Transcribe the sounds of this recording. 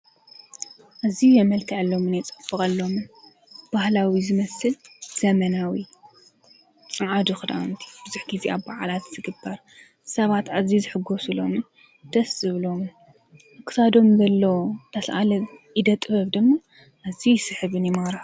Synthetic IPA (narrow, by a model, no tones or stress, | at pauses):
ʔazijɛmɐlkʰɐʕɨlːo̞mɨnjɛt͡sʼɐfɨkʼɐlːo̞mɨn | b̥ahlawizɨmɐsɨlz̥ɐmɐnawi | t͡sʼaʕad̪uxɨd̪ʔa̰nt̪ʰi̥b̥ɨzuħɡiziaβːaʕalat̪z̥ɨɡɨbːaɾ | sɐβat̪azizɨħɨɡo̞sulo̞̰mɨn | d̪̥ɐsɨβɨlo̞mɨn | ɨkɨ̥sad̪o̞mzɐlːot̪ʰɐsʔa̰lɐβjid̪ɐt̪ʼbɐβd̪ɨmːa | ʔazisɨħɨβɨnjɪmaɾħ